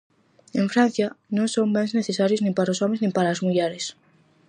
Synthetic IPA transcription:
eɱfɾan̟θjanõŋsombenzneθesaɾjoznĩmpaɾaosomẽznĩmpaɾaːzmuʎeɾes

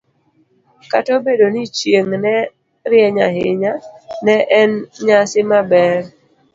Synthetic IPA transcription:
katobedonɪt͡ʃjeŋnɛ | ɾɪɛɲaɦɪɲanɛʔɛnɲasɪmabɛr

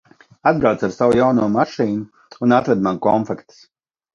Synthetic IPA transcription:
ad̪̚bɾawt̪saɾsawujawnuɔmaʃiːnuː | nat̪vɛd̪manukɔnfɛkt̪s

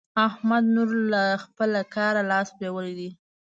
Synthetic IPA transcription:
ahmad̪nuɾlaxpəlakɑɾalɑspawəlid̪i

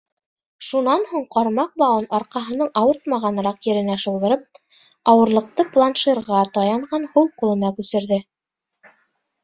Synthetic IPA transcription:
ʃunɑnhuɴqɑɾmɑq̚bɑwɤnɑɾqɑɦɤ̆nɤɴɑwɤɾt̪̚mɑʁɑnɾɑqjɘ̆ɾɘ̆næʃŏwˠðɤ̆ɾɤp̚ | ɑwɤ̆ɾlˠɤ̆q̚t̪ɤplˠanʃiɾʁɑt̪ɑjɑɴʁɑnhulˠqŭlˠɤ̆nɑkʉsɘ̆ɾðɘ

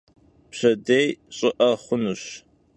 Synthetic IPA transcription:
pɕɐdejɕʼɪʔɐχʷʊnuɕ

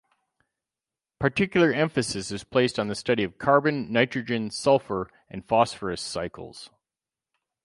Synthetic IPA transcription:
pʰə˞tʰɪkjl̩ˠə˞ɛ̃ɱfɨsɨsɨz̥pʰl̥eɪstn̩ðɨstʌɾiʌv̥kʰɑɹbɨ̃nːaɪt͡ʃɹ̥ɨd͡ʒɨ̃nsʌlˠfə˞ | ʔɨ̃nfɑsfə˞ɨsaɪkʰl̩ˠz̥

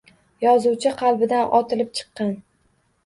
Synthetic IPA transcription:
jɒzuwt͡ʃʰɪqʰɑlˠbɪd̪anɒt̪ʰɪlɪp̚t͡ʃʰɨ̥qːɑn

